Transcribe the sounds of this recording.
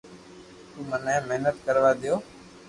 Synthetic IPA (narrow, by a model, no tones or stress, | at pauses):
t̪ũːmənɛ̃ːmeɦnət̪̚kəɾʋaːd̪ɪjoː